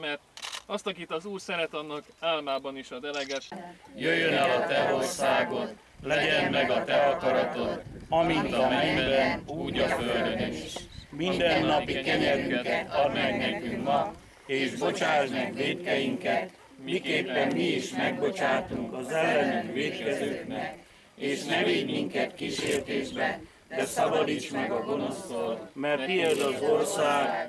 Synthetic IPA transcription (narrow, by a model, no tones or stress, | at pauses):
mɛrt̪ɒst̪ɒkiːt̪ɒzuːrsɛɾɛt̪ɒnːɒkaːlmaːbɒniʃɒd̪ɛlɛɡɛt̪jøjːønɛlɒt̪ɛɾo̞rsaːɡo̞t̪ | lɛɟɛmːɛɡɒt̪ɛɒkɒɾɒt̪o̞t̪ɒmint̪ɒminb̪ɛnuuːɟɒføld̪øniʃmind̪ɛnːɒpikɛɲɛɾykɛt̪ɒrmɛkneːkyŋkmɒ | eːʒbo̞t͡ʃaːt̪nɛkʋeːt̪kɛjiŋkɛt̪ | mikeːpːɛmmiiʃmɛɡbo̞t͡ʃaːt̪uŋkɒzɛlːɛnykʋeːt̪kɛzøːknɛk | eːʃnɛveːɲmiŋkɛt̪kiʃeːrt̪eːʒbɛ | d̪ɛsɒbɒd̪iʃt͡ʃmɛɡɒɡo̞no̞st̪oːlmɛrt̪iɛzɒzo̞rsaːɡ